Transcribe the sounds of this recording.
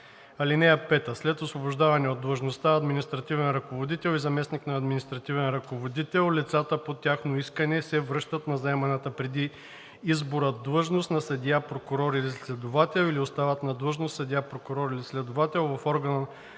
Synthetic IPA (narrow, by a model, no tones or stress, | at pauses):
ɐlinɛjɐpɛt̪əslɛt̪osvoboʒd̪avɐnɛod̪ːlˠəʒnost̪aɐd̪minist̪ɾɐt̪ivɛnɾɐkovod̪it̪ɛlˠizɐmɛsniknɐːd̪minist̪ɾɐt̪ivɛnɾɐkovod̪it̪ɛlˠlit̪sat̪əpot̪ʲjaxnoiskənɛsɛvɾɤʃt̪ət̪nɐzɐɛmɐnət̪əpɾɛd̪i | izboɾəd̪lˠəʒnost̪nɐsɐd̪ʲiapɾokʊɾɔɾilislɛd̪ovat̪ɛlˠiliost̪avət̪nɐd̪lˠəʒnosɐd̪iapɾokʊɾɔɾilislɛd̪ovat̪ɛlˠvɐfɔɾɡənə